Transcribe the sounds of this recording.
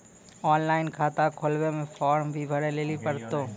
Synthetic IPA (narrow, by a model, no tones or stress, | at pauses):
ɔːnlaːɪnkʰaːt̪akʰolʋemẽːfʰaːɾmbʱiːbʱəɽeleːlipəɾt̪oː